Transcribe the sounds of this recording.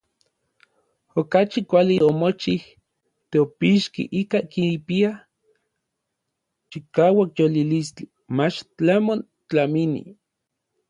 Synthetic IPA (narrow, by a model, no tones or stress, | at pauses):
okat͡ʃikʷaliʔomot͡ʃih | t̪eopiʃkḭʔikakipia | t͡ʃikaːwakjolilist͡ɬi | mat͡ʃt͡ɬamon | t͡ɬaminḭ